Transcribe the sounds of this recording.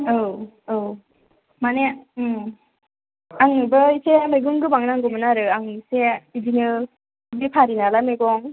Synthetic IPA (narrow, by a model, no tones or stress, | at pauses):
ow | ow | mane | aŋɯbɯjsemeɡɯŋɡɯbaŋnaŋɡɔmɯnaɾɯaŋɯseid͡ʒinɯ | bipʰaɾinalameɡɔŋ